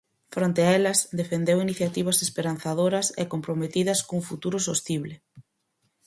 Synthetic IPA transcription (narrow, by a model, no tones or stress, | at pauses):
fɾont̪eaɛlɐsd̪efend̪ewiniθjat̪iβ̞ɐsespeɾan̟θaðoɾɐsɛ̰kompɾomet̪iðɐskouŋfut̪uɾʊsost̪iβlɪ